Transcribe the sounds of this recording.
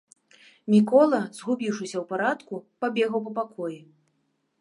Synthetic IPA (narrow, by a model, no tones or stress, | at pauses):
mʲikɔlˠɐzɣubʲiwʂɨsʲɐwpaɾat̪kupabʲɛɣɐwp̬ɐpakʰɔji